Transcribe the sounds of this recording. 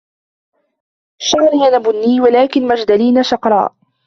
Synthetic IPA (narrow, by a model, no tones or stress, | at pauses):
ʃaʕɾɪjanabʊnːiːwalaːkɪnmad͡ʒd̪aliːnaʃɑqɾˤɑ̰ːʔ